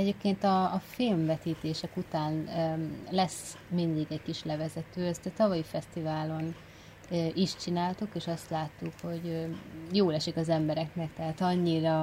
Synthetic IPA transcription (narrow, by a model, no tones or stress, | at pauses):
ɛɟeːp̚keːnt̪ɒːfilmvɛt̪iːt̪eːʃɛkut̪aːn | lɛs | mind̪iɡɛckiʃlɛvɛzɛt̪øːɛst̪ɛt̪ɒvɒjifɛst̪ivaːlo̞n | øːʔiʃt͡ʃinaːlt̪ukeːʃɒst̪laːt̪ːukho̞ɟjoːlɛʃikɒzɛmbɛɾɛknɛkt̪ɛɦaːt̪ɒɲːiɾɒ